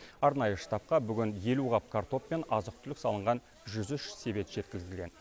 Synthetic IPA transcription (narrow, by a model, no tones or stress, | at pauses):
ɑɾnɑjəʃə̥t̪ɑp̚qɑbʏɡʲɪnje̞luʁɑp̚kʰart̪o̞pːe̞nɑzəq̚t̪ʰʏlɪksɑlˠəɴʁɑn | ʒʏzʏʃse̞be̞t̪ʒ̥e̞t̪̚kʲɪzd̪ɪlɡʲe̞n